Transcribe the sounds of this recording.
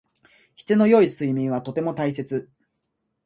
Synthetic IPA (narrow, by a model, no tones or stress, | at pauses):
çi̥t͡seno̞jo̞isɨimʲĩɰ̃βat̪o̞t̪e̞mo̞t̪ais̬e̞t͡sɨ